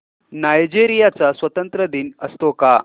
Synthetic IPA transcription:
najd͡ʑiɾijat͡sasʋət̪ənt̪ɾəd̪iːnəst̪oka

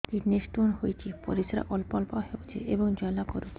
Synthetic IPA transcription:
t̪iɾnesʈonɦojt͡ɕʰipo̰ɾisɾa̰ʔɔlpɔlpahewt͡ɕʰḛʔeboŋd͡ʑɔelakoɾut͡ɕʰ

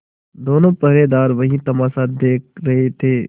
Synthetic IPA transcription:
d̪oːnõːpəɦɾeːd̪aːɾʋɐɦĩt̪ɐmaːsad̪eːk̚ɾɐɦet̪ʰeː

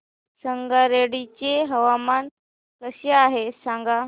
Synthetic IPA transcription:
səŋɡaɾeɽit͡ɕeɦəʋaman | kəɕeaɦesãŋɡa

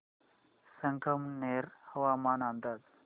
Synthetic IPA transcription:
səŋkʰəmneɾhəʋamaːnand̪aːd͡z

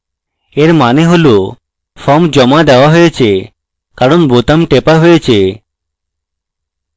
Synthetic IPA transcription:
eɾmaneɦolo | fɔmd͡ʑɔmad̪eoaɦojet͡ɕʰe | kaɾonbot̪amʈepaɦojet͡ɕʰe

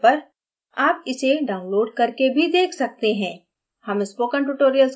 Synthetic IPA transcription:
pɐɾ | aːp̚ɪseɖaːʊ̃nloːɖ̚kɐɾkebʱid̪eːkʰsɐk̚t̪eɦɛ̃ː | hɐmɪspoːkə̃nʈʊʈoːɾijəls

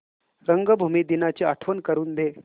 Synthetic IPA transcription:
ɾəŋɡəbʱumid̪inat͡ɕeaʈʰʋənkəɾuːnd̪e

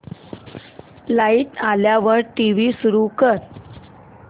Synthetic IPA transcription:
lait̪aljaʋəɾʈiʋiːsuɾukəɾ

